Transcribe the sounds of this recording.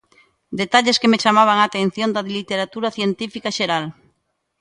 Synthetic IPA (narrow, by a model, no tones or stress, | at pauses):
d̪et̪aʎeskemet͡ʃamaβ̞aŋat̪en̟θjõnd̪ɐðilit̪eɾat̪uɾaθjent̪ifikaʃeɾal